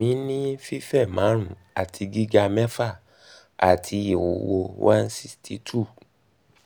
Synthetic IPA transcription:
ĩ˨˦nĩ˦fi˦fɛ˦˨mã˨˦ɾ̃ũ˦˨ | a˨tʰi˧ɡi˦ɡa˧mɛ˦fa˦˨ | a˨tʰi˧i˨wo˨wo˧wʔã˦n˦si˦stʰi˧˦tʰu˦˨

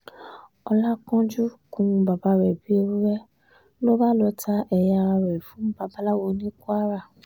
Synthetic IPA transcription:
ɔ˧la˦kɔ̃˦d͡ʒu˦kũ˧˦ũ˧ba˨˧ba˨˧ɾɛ˨bi˨˦o˧ɾu˦ɾɛ˦ | lo˦ba˦˨lɔ˧tʰa˦ʔɛ˧ja˧ɾa˧ɾɛ˨fũ˨˦ba˧ba˧la˦wɔ˧nĩ˦ku˦a˦ɾa˦˨

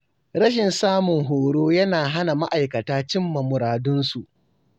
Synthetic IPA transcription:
ɾɐ˦ʃ̬ɪ˨nsaː˦mʊ˨ŋɦoː˨ɽoː˦jɐ˦naː˨ɦa˦na˨ma˦ʔa˨jkɐ˨taː˦t͡ʃɪ˦mːɐ˨mʊ˨ɾaː˨dʊ˦nsu˨ʔ

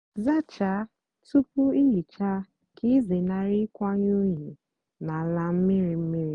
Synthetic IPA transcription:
za˦t͡ʃa˨˦ | tu˦pʊ˦i˦ɦi˨t͡ʃa˦ | kʰi˦zɪ˨na˨ɾi˦kʷa˦ɲ˦u˦ɲi˨ | na˨la˦m̩˦mi˦ɾi˨m̩˦mi˦ɾi˦

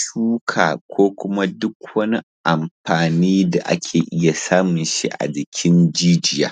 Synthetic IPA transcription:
ʃuː˦kʰaː˨kʷoː˦kʷʊ˦ma˦dʊ˦kwɐ˦ni˦ | ʔa˨mɸaː˨niː˦da˨ʔa̰˦kʲʰeː˨ʔɪ˦ja˨saː˦mʊ˨nʃḭ˦ʔa̰˨d͡ʒɪ˨kʲʰɪ˦nd͡ʒiː˦d͡ʒɪ˦ja̰ː˨

